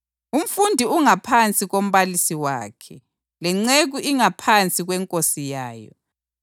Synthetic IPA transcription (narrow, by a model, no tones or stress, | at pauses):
um̩fundʱiuŋapʰant͡sʼiɣom̩βalisiwa̰ːkʰɛ | lɛŋ͡ǀeɣuʔiŋapʰant͡sʼiɣwɛŋkʼosijaːjɔ̰